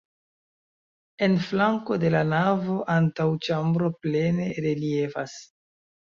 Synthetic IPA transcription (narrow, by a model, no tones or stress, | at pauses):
e̞nflaŋko̞de̞lanavo̞ʔantawt͡ʃambɾo̞ple̞ne̞ɾelie̞fa̰s